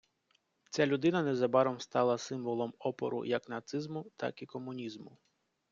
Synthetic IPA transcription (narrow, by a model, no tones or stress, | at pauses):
t͡sʲalʲʊd̪ɪnɐnɛzɐbɑɾɔmst̪ɑlˠɐsɪmʋɔlˠɔmɔpɔ̰ɾʊ̰jɐknɐt̪sɪzmʊt̪ɑ̰kikɔmʊnʲizmʊ